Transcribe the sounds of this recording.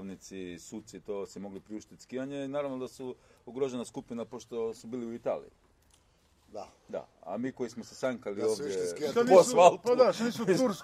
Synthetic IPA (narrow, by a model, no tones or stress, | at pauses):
ʋnit̪sisut̪sit̪o̞simo̞ɡlipɾiuʃit̪i̥skijaɲeinaːɾaʋnod̪asuuɡɾoʒenaskupinapo̞ʃt̪o̞subiːliuit̪a̰ːlḭjḭ | d̪a | d̪a̰a̰miːko̞jismosesaŋkalioːʋjeosʋalˠt̪aniskoiuɾ